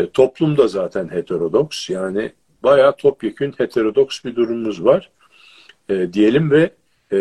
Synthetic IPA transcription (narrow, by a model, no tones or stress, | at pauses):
t̪ʰo̞plˠumd̪azaːt̪ʰænhet̪ʰeɾo̞d̪oksjaːnɪ | bajaːt̪ʰopjecʰynhe̞t̪ʰe̞ɾo̞d̪oksbid̪uɾumumuzvaɾ̥ | ɛːd̪ije̞lʲimvɛ